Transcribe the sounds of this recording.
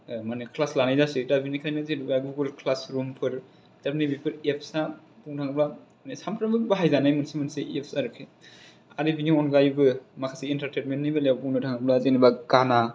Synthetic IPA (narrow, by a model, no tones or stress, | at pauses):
manikʰlaslanajzasidabinikʰajnɯzenibaɡuɡolkʰlasɾumpʰɯɾ | d̥abinibipʰɯɾepʰsa | buŋtʰaŋɯbla | nesampʰɾabɯbaɦajzanajmɯnsimɯnseepʰsaɾɯkʰe | aɾibiniɔnɡajbɯmakʰasiːntaɾtenmentnibalawbuŋnɯtʰaŋɯblazenibaɡana